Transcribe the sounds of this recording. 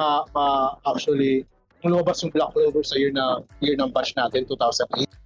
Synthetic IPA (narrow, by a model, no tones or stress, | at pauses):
ɐmɐʔak̚t͡ʃʊɐli | ʊŋlʊmɐbasjʊŋblak̚loːbɛɹsɐjɪɹnɐjɪɹnɐŋbat͡ʃnaːt̪ɛnt̪uːt̪awsɐnd̪ʔet̪̚